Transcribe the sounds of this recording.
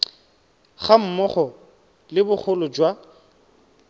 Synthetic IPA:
χam̩mɔχɔ | lɪbʊχʰʊlʊd͡ʒwa

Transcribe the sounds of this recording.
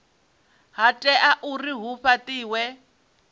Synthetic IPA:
ɦatʼɛʔaʔuriɦuɸatiːwɛ

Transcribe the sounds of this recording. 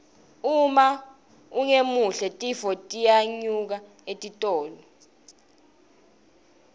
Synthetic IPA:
uma | uŋemuɬɛtʼifɔtʼijaɲuk̬a | etʼitʼɔːlɔ

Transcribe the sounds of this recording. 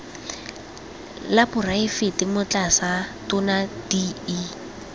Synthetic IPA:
lapʊraɪfɪtʼɪmʊt͡ɬʼasatʊnadiː

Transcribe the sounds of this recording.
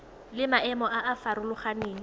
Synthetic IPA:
lɪmaɛmɔʔaʔafaɾʊlʊχaneːŋ̩

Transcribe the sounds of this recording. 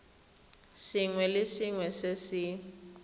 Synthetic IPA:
sɪŋwɛlɪsiŋwɛsesɪ

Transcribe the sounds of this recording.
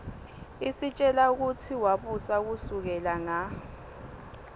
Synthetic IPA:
isit͡ʃʼɛlauk̬utʰiwaɓusak̬usuk̬ɛlaŋa

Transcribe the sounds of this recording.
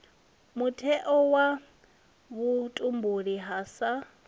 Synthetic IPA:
mutʰɛʔɔwa | βutʼumbuɺiɦaːsa

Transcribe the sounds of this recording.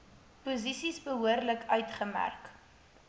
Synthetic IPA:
puzisisbəɦuərləkʰœɥtχəmæ̰rk

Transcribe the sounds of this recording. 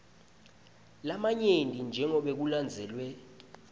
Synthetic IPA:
lamaɲendʱind͡ʒʱɛŋɔɓek̬uland͡zʱɛːlwɛ

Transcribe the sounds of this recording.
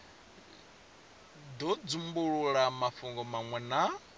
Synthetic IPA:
d̪ɔd͡zumbuɺuɺamafuŋɡɔmaŋwɛna

